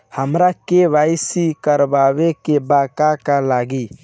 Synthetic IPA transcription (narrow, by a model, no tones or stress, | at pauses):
həmɾakeʋaɪsikəɾbaβekebakakalaɡi